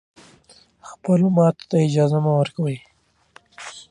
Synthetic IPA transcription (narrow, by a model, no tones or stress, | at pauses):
xpəlomɑt̪ḁt̪aɪd͡ʒɑzamawəɾkawəj